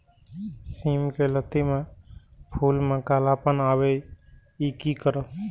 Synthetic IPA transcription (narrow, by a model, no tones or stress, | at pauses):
simkelət̪imepʰulmekalapənabe | ikikəɾə